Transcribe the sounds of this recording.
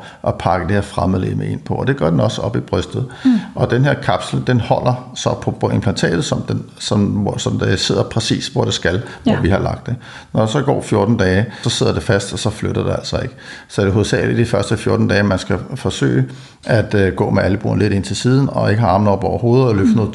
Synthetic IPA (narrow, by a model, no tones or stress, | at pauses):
ʔɒpʰɑ̈ɡ̥əd̥e̝heɐ̰fʁamðˠlḛmee̝n̰pʰɒ̽ɒ̽d̥e̝ɡ̥ɶɐd̥enɒ̽səɒ̽b̥ib̥ʁœsd̥ð̞̩ˠʔɒ̽d̥enɦeɐ̰kʰɑb̥sl̩d̥enhɒ̽l̰ɐsɒ̽pʰɒ̽pʰɒe̝mpʰlænt͡sʰɛ̰ːd̥ð̩ˠsɒ̽md̥en | sɒsɒ̽md̥ese̝ð̞̰ˠɐpʰʁɛsḭːsʋɒd̥esɡ̥ælʋɒʋihɑ̈lɑ̈ɡ̥̚d̥e̝ | nɒd̥ɑsɒ̽ɡ̥ɒ̰ːfjo̝ɐd̥n̩d̥ɛːsɒ̽se̝ð̞̰ˠɐd̥e̝fæsd̥ɒ̽sɒ̽fløɾ̥ɐd̥e̝æl̰sɒ̽e̝ɡ̥əsɒ̽æɾ̥eɦo̝ð̩ˠsʰɛ̰ːlid̥ifɶɐsd̥əfjo̝ɐd̥n̩d̥ɛːmænsɡ̥æfɒ̽sø̰ːɪ | ʔæd̥ɡ̥ɔ̰̽ːmeæləb̥ṵːɐnle̝ɾ̥e̝n̰t͡sʰe̝siːð̞ˠn̩ɒ̽e̝ɡ̥əhɑ̈ɑ̈ːmn̩ɒb̥ɒʊɐɦo̝ːð̞̩ˠɒløfnəð̩ˠ